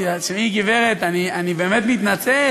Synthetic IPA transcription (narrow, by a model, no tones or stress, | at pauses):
asmiɡiveʁet̪anianibeːmet̪mit̪nat͡se